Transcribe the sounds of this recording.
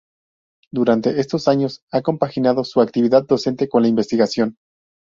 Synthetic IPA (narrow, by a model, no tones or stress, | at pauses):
d̪uɾant̪e̞ʔe̞st̪o̞saɲo̞sako̞mpaxinað̞o̞suak̚t̪iβ̞iðað̚ːo̞se̞nt̪e̞ko̞nlaimbe̞st̪iɣasjo̞n